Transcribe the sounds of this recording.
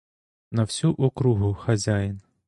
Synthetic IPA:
nɐwsʲuʔʊkɾuɦʊxɐzʲajin

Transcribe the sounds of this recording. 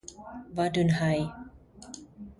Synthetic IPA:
vadɯnhaj

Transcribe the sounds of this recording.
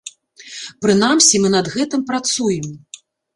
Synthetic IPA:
pɾɨnamsʲimɨnɐd̪ɣɛt̪ɨmpɾat̪sujɛm

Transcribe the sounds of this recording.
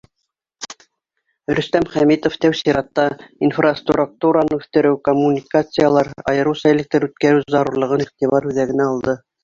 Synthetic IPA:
ɾɵ̆st̪æmχæmit̪oft̪æwsiɾɑt̪ːɑinfrast̪rruk̚t̪uɾɑnɤʉθt̪ɘ̆ɾɘwkomːunʲikat̪sɨjalˠɑɾɑ̰jɤ̆ɾɤwsɑelɘ̆k̚t̪æɾʉt̪kæɾɘwzɑɾuɾlˠɤ̆ʁɤniχt̪iβɑɾʉðæɡɘ̆næɑlˠd̪ɤ

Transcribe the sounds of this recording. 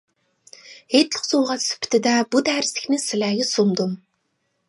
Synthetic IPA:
eːt̪ɮə̆χsʊːʁaːt͡s̪sɵ̥pʲʰt̪ʰɘ̆t̪aːput̪æːɾɪ̆sĭ̥xneːsːaɮʲæːɣʲɪ̆sʊmt̪ʊm

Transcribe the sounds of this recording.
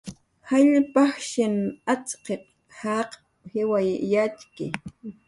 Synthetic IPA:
haʎpɑχʃɪnat͡sqep̚ | hɑq | hɪwajːat͡ʃkɪ̰

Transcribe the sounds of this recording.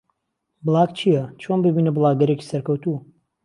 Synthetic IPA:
blˠaːkt͡ʃʰijɐt͡ʃʰonbɨbiːnɐblˠaːɡɐɾeci̥sɐɾkɐwt̪u

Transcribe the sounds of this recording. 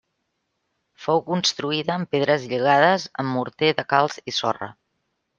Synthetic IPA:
fowkunst̪ɾuiðəːmpeð̞ɾəzʎəɣ̞aðəzə̰mːuɾt̪eðəkalˠzisɔ̰rə̰

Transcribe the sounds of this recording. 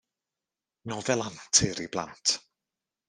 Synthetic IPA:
nɔːvɛlˠantʰɪɾiblˠa̰ntʰ

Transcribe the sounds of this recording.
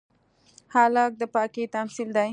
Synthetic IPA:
hɑːlɑk̚d̪əpɑːkit̪amsild̪a

